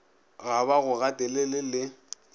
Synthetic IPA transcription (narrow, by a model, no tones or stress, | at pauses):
ɣaβaɣʊɣatʼɛlelɪlɪ